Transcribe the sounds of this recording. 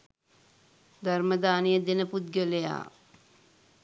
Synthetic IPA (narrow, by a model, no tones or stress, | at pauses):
d̪ʱɐɾmɐd̪aːnijɐd̪ɪnɐpud̪̚ɡɐleja̰ː